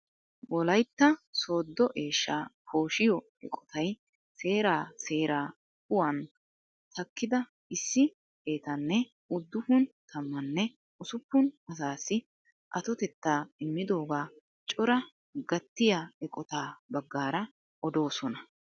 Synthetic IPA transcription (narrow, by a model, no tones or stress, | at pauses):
wɔlɐjt̪ːɐso̞ːd̪ːɔʔe̞ːʃːaːpo̞ːʃɪjɔ | ɛ̰kʼɔ̥t̪ʰɐj | se̞ːɾaːse̞ːɾaː | kʊwɐn | t̪ʰɐkːɪd̪ɐ | ɪsːɪ | eːt̪ɐnːɛ | ʊd̪ːʊfʊnt̪ʰɐmːɐnːɛ | ʊsʊpːʊnɐs̬aːsːɪ | ʔɐt̪ɔt̪ɛt̪ːaːɪmːɪd̪o̞ːɡaː | t͡ʃʼɔɾɐ | ɡɐt̪ːɪjaɛkʼɔt̪aːbɐɡːaːɾɐ | ɔd̪o̞ːsɔnɐ